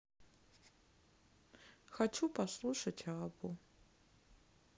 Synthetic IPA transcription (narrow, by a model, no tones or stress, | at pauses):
xat͡ʃʰupaslˠuʂɐtʲʰabu